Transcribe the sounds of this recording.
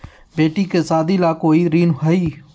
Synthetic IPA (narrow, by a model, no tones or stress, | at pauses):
beːʈiːkeːsaːd̪iːlaːkoːiːɾiːnɦəiː